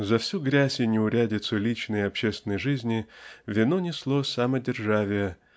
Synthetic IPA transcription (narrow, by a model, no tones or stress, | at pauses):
zɐfsʲuɡɾʲæsʲɪnʲɪʊɾʲædʲɪt̪sʊlʲit͡ɕnəjɐpɕːest̪ʲɪnəjʐɨzʲnʲɪvʲɪnonʲɪslˠosamədʲɪrʐavʲɪjə